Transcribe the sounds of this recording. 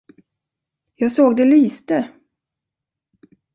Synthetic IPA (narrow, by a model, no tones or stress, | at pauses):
jɑːɡsoːɡd̪ɛlyːst̪ə